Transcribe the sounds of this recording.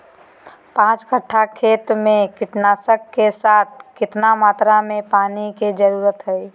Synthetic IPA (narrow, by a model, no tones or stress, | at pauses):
pãːt͡ʃkəʈʰːakʰeːt̪mẽkɪʈnaːsəkːesaːt̪̚ʰkɪt̪namaːt̪ɾamẽpaːniked͡ʒəɾuːɾət̪ɦɛe